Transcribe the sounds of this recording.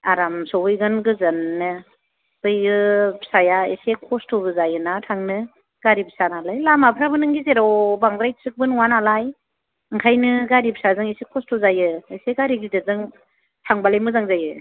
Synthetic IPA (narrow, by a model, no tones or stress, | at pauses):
aɾamsɔɦɯjɡɯnɡɯzɯnːɯ | bɯjɯpsajaesekʰɔstʰɔbɯzajɯnatʰaŋnɯ | ɡ̥aɾibsanalajlamapʰɾabɯnɯŋɡizeɾɔwbaŋɡɾajsɯk̚bɯnuwanalaj | ɯŋkʰajnɯɡaɾibsazɯŋesekʰɔstʰɔzajɯeseɡaɾiɡidɯzɯŋ | tʰaŋbalajmɯzaŋzajɯ